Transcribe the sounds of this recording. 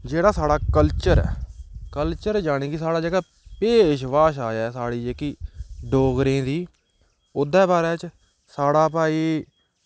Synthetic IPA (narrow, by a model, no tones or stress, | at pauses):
d͡ʒeːɽaːsaːɽaːkəlt͡ʃəɾ̰kəlt͡ʃəɾd͡ʒaːɽ̃iːkisaːɽaːd͡ʒeːɡaː | peːʃʋaːʃaːjaːsaːɽiːd͡ʒeːkiːɖoːɡɾẽːd̪iː | ʊd̪ɛ̃ːbaːɾɛːt͡ʃ | saːɽaːpaːiː